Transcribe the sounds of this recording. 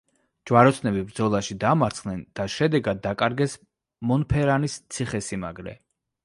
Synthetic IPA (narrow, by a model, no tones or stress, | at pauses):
d͡ʒwaɾɔt̪sʰnɛbibɾd̪zɔlˠaʃid̪amaɾt̪sʰχnɛnd̪̥aʃɛd̪ɛɡad̪̚ːakʼaɾɡɛs | mɔnpʰɛɾanist̪sʰiχɛsimaɡɾɛ